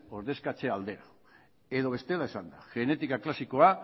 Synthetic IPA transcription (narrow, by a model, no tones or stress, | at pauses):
o̞ɾðe̞skat͡se̞ald̪e̞ɾa | e̞ðo̞β̞e̞st̪e̞laesand̪aʝe̞ne̞t̪ikaklasiko̞a